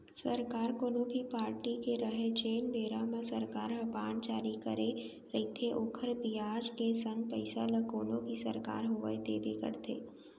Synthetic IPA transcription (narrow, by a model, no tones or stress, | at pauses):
səɾkaːɾkoːnõbʱipaːɾʈikeɾəɦet͡ʃeːnbʱeːɾamẽsəɾkaːɾɦəpaːɳt͡ʃaːɾikəɾe | ɾɐit̪ʰeʔʊkʰəɾbiaːd͡ʒkesə̃ŋɡ̚pɛɪsa̰ləkoːnõbʱisə̰ɾka̰ːɾɦʊʋə̰et̪ḛːbekə̰ɾt̪ʰḛː